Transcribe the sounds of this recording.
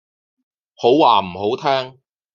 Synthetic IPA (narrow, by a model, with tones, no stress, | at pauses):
ho˨˥wːaː˨˩m̩˨˩ho˨˥wt̪ʰɛː˥ŋ